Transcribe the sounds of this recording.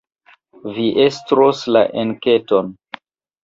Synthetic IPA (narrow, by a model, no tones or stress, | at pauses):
viʔestɾoslaʔenketon